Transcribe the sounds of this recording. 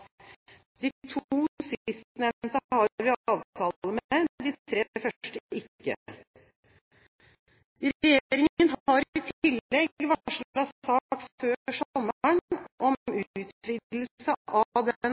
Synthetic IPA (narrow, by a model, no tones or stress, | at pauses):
d̪iːt̪ʰuːsɪst̪nɛmt̪əhɑɾʋɪɑːʋt̪ʰɑːləmed̪ɪːt̪ʰɾeːfœʂʈəʔɪkːə̰ | ɾɛjeːɾɪŋənɦɑɾɪt̪ʰɪlːɛɡʋɑʂlɑsɑːkføːsɔmːɳʔɔmʉːt̪fʰɾɪd̪ll̩səʔɑʋd̪n